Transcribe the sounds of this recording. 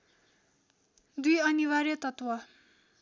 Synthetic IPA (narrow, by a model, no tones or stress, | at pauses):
d̪ujʌniwaɾet̪ʌt̪wʌ